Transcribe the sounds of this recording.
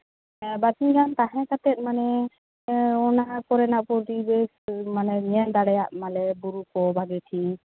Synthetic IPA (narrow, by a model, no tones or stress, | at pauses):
bat̪iɡant̪aɦɛ̃kat̪ɛt̪̚ˀmanɛ | ɔnapɔɾɛnaʔpɔɾɾibesmanɛɲand̪aɽɛjaʔmalɛbuɾukɔbʱaɡɛʈʰi